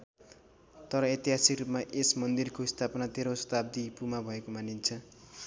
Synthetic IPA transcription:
t̪ʌɾʌet̪iɦasikrupmaʔesmʌnd̪irkoist̪ʰapʌnat̪eɾosʌ̥t̪ab̚d̪ipumabʱʌekomanint͡sʰʌ

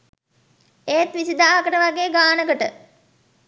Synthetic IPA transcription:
eːt̪ʋisid̪aːɦɐkəʈəʋaɡeːɡaːnəɡəʈə̰

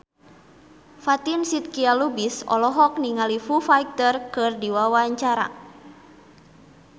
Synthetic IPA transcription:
fat̪insit̪̚kialubisɔ̰lɔɦɔk̚niŋalifufajk̚t̪ərkɨrdiwawaɲt͡ʃaɾa̰

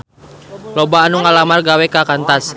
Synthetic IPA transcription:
lɔbaːnuŋalamarɡawɛkakant̪as

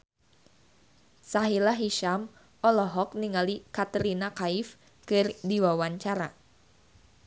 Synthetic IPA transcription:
saɦilaɦiʃam | ɔlɔɦɔk̚niŋalikat̪əɾinakaɪf | kɨrdiwawaɲt͡ʃaɾa

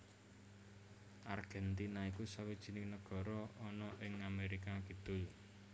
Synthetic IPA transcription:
ʔarɡ̥ɛnt̪inaikusawid̥ʒ̥i̤nɪŋnəɡ̥ɔ̤ɾɔɔnɔʔɪŋameɾikakəd̪̥ʊ̤l

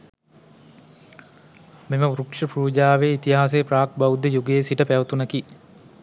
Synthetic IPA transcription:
miməuɾukʂəpɾuːd͡ʒaːʋeit̪iɦaːs̬epraːk̚bawud̪əjuɡejːsiʈəpæʋət̪unəki

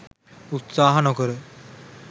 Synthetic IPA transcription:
ut̪saːɦɐnokəɾə

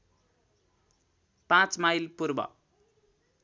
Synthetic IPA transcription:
pãt͡smajlpurbʌ̰

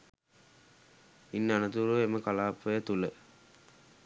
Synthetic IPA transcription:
inːanət̪uɾueməkalaːpːəjət̪ulə

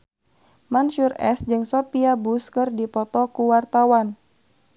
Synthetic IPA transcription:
manʃurɛsd͡ʒɨŋsopiabuskɨrdipɔt̪ɔkuwart̪awan

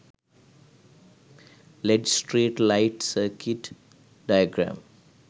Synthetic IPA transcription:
leɖsʈɾeːʈlaɪʈsəːkʰɪʈ | ɖaɪəɡɾã̰m

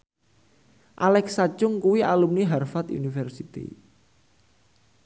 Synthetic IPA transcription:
ʔalɛksat͡ʃʊŋkuwialumniɦarfat̪ṵnifɛrsit̪ḭ

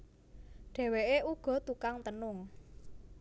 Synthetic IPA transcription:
ɖ̥ɛ̤weʔeʔuɡ̥ɔ̤t̪ukaŋt̪ənʊŋ

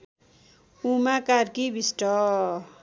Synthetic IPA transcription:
umakarkibisʈʌ

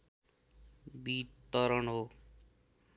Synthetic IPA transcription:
bit̪ʌɾʌnɦo

